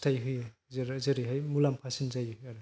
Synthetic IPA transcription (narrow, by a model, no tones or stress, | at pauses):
stʰajɦɯje | zɾzeɾiɦajmulampʰasinzajjaɾɯ